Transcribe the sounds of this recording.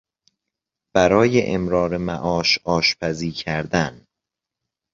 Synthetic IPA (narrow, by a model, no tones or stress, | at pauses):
b̥æɾɒːjeʔemɾɒːɾemæʔɒːʃɒːʃpʰæziːcʰæɾd̪æn